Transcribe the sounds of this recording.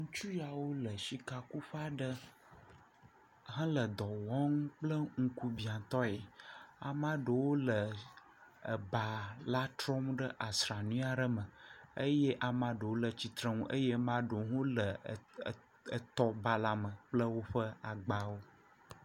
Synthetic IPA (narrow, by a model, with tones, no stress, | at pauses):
ŋũ˦t͡ʃu˦ja˨wo˦lə˨ʃi˦ka˨ku˦ɸa˨ɖə˦ | ɦə̃˦lə˨d̪ɔ˨wɔ̃˦ŋ˦k͡plə˦ŋ̩˦ku˦bi˨ã˨t̪ɔ˦e˨a̰˨mã˦ɖə˨wo˦lə˨ | ə̰˨ba˨la˦t̪ɾɔ˦mɖə˦ʔa˨sɾa˨nũ˦a˨ɖə˦mə˨ə˦je˦ʔa˨mã˦ɖə˨wo˦lə˨t͡ɕi˨t̪ɾə˦ŋũ˦ʔə̰˦je˦mã˦ɖo˨ɦõ˦lə˨ | t̪ɔ˦ba˨la˦mə̃˨k͡plə˦wo˦ɸə˦a˨ɡ͡ba˨wo˦